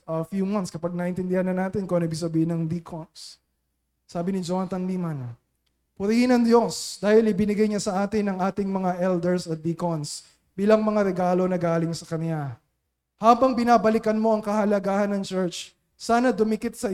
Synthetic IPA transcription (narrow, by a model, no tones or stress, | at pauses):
ɐfjumɐnt̪skɐpaɡ̚nɐʔɪnt̪ɪnd̪ɪhanːɐnaːt̪ɪnkonɐɪbɪɡsɐbiːhɪnɐŋd̪ikʰonsː | aːbɪnɪd͡ʒohanɐt̪ɐnliːmɐn | pʊɾihɪnɐŋd̪jo̞sd̪aːhɪlɪbɪnɪɡajɲasɐʔaːt̪ɪnːɐŋʔaːt̪ɪŋmɐŋaʔɛld̪ɛɹsɐt̪̚d̪ikons | b̥iːlɐŋmɐŋaɾɛɡaːlo̞nɐɡaːlɪŋsɐkɐnja | haːbɐŋbɪnaːbɐlɪkɐnmo̞ʔɐŋkɐhɐlɐɡaːhɐnːɐŋt͡ʃɛɹt͡ʃ | saːnɐd̪ʊmɪkɪt̪̚sɐ